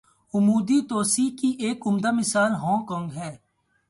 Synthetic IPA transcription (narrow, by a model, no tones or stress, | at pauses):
ʊmuːd̪it̪oːsikiʔeːkʊmd̪amɪsaːlɦɔ̃ːŋkɔ̃ːŋɡɦɛː